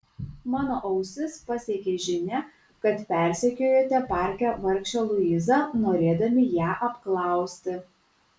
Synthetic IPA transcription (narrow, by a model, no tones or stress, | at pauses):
mɑːnoːʔɐʊsʲɪspɐsʲeːkʲeːʒʲɪnʲɛ | kɐt̪pʲɛˑɾʲsʲɛkʲoːjoːt̪ʲɛpɑːˑɾʲkʲæʋɐɾʲkʃʲt͡ʃʲɛlˠʊɪzɑnoːɾʲeːd̪ɐmʲɪjæːʔɐpklˠɑˑʊsʲt̪ʲɪ